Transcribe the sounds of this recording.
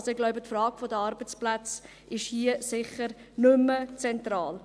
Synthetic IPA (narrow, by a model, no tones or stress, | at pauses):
soɪɡlaʊbətfrɑːɡfodəɑɾbət͡splæt͡s | ʔɪʃhiːəsɪχəɾ | nʏmːət͡sɛntrɑːl